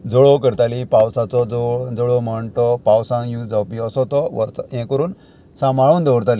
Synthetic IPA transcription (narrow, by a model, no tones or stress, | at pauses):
d͡zɔɭɔk̬əɾt̪alipawsat͡sɔd͡zɔd͡zɔɭɔməɳʈɔpawsãŋjũd͡zawpiɔsɔt̪ɔʋə̰ɾsjɛ̃kəɾuːn | sãmaɭuːnd̪ɔʋɾt̪ali